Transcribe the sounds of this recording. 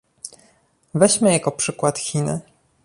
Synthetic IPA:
vɛɕmɘjakɔpʂɘkwat̪xʲinɘ̰

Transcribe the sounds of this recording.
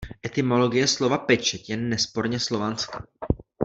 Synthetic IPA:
ʔɛt̪ɪmo̞lo̞ɡɪjɛslo̞vapɛt͡ʃɛt̪jɛnːɛspo̞ɾɲɛslo̞vant͡ska

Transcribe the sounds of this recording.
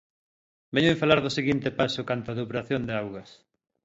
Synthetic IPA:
bɛɲʊẽɱfalaɾðʊseɣint̪epasʊkant̪oʊaðupɾaθjond̪eawɣɐs

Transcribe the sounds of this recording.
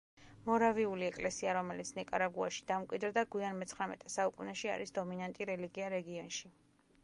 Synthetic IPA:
mɔɾaviuliɛkʼlɛsiaɾɔmɛlit̪sʰnɛkʼaɾaɡuaʃi̥d̪̥amkʼwid̪ɾd̪aɡwianmɛt̪sʰχɾamɛ̰t̪ʼɛsaukʼunɛʃia̰ɾisd̪ɔminant̪ʼiɾɛliɡiaɾɛɡiɔnʃi

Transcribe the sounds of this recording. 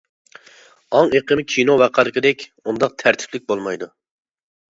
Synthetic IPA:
ɑŋeqʰəmɪkʲʰinowæqʰɑɾɨqəd̪ɛkʲ | und̪ɑq̚t̪ʰæɾt̪ʰɪ̥plɪk̚ʲbolˠmɑjd̪u

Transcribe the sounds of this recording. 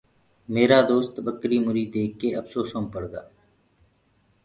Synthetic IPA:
meːɾaːd̪oːst̪bəkɾiːmʊɾiːd̪eːkːeːəfsoːsõːmpəɽɡa̰ː

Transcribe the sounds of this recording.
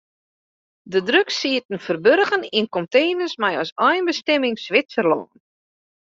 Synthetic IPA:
dədrøksiətən̩fərbørɣəninkɔmteːnəsmɛjɔsɔjnbəstɛmɪŋsʋɪt͡ssərlɔ̰ːən

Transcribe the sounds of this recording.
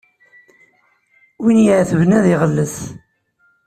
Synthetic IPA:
winjəʕθəvnæðiʁəlːəθ

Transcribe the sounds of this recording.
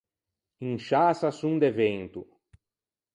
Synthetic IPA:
ĩŋʃasasũŋd̪evẽnt̪u

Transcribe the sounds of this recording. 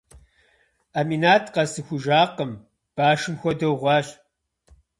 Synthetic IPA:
aminaːtʰqɐsɨxʷʊʒaːqəm | b̥aːʃɨmxʷɔdɐwʁʷɑːɕ

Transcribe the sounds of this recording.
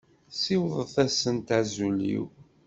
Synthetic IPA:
siwðˤəθæsənt̪azulḭw

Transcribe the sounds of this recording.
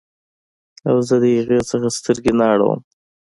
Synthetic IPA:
awzəd̪əjaɣesəxast̪əɾɡenɑɽə̰w̰m

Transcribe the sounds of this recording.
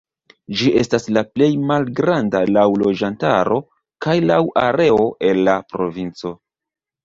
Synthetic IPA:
d͡ʒiʔe̞staslaple̞jmalɡɾandalawlo̞d͡ʒantaɾo̞ | kajlawʔaɾe̞o̞ʔe̞lːapɾo̞vint͡so̞

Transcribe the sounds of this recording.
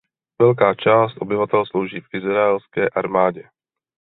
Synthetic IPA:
vɛlkaːt͡ʃaːst̪ʔo̞bɪvat̪ɛlslowʒiːfʔɪzɾaɛlskɛːʔaɾmaːɟɛ

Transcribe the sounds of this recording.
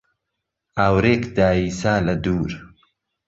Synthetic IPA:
aːwɾeːkd̪aːiːsaːlɐd̪uːɾ

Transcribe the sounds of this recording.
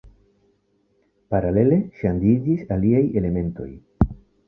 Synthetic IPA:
paɾale̞le̞ʃandid͡ʒisaliaje̞le̞me̞nto̞̰j

